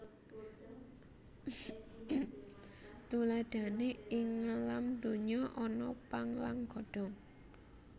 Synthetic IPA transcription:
t̪ulad̥a̤neɪŋːalamd̪o̤ɲɔʔɔnɔpaŋlaŋɡ̥ɔ̤ɖ̥ɔ̤ŋ

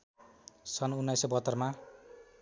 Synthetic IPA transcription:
sʌnunːajsʌbʌt̪ːʌrma

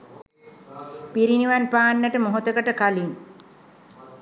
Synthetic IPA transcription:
piɾiniʋanpaːnːəʈəmoɦot̪əkəʈəkalin

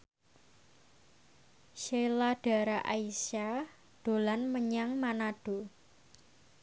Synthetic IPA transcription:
ʃelaɖ̥a̤ɾaʔaisa | d̪̥o̤lanməɲaŋmanaɖ̥o̤

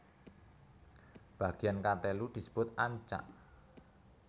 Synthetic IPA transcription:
b̥ä̤ɡ̥i̤jankat̪elud̪̥i̤sə̥b̥ʊt̪̚aɲt͡ʃa̰ʔ

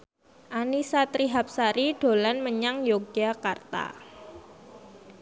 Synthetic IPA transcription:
ʔanisat̪ɾiɦap̚saɾiɖ̥o̤lanməɲaŋjoɡ̥akart̪a̰

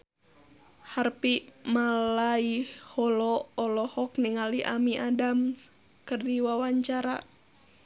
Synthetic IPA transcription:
harpimalaihɔlɔːlɔhɔkniŋaliʔa̰miʔadam | kərdiwawaɲt͡ʃaɾa̰

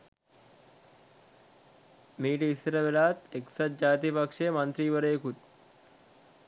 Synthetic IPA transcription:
miːʈisɾəʋelaːt̪eksət̪̚d͡ʑaːt̪ipəkʂemənt̪ɾiːʋəɾekʰuːt̪̚

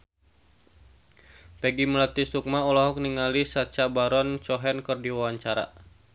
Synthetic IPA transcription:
pɛɡiməlat̪isuk̚maɔlɔɦɔk̚niŋalisat͡ʃabaɾɔnt͡ʃɔɦɛnkɨrdiwawaɲt͡ʃaɾa̰

